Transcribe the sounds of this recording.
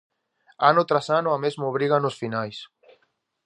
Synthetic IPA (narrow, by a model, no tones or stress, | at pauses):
anʊt̪ɾasanʊamezmoβ̞ɾiɣanʊsfinajs